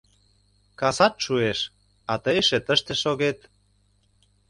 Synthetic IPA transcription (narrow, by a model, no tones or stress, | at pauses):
kɑsɑt̪ʃueʃ | ɑt̪əeʃĕt̪əʃt̪ĕʃoɣet̪